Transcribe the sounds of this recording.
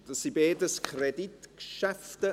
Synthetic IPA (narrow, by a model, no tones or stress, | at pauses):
d̥əsibeːdəskʰrɛditkʃɛftə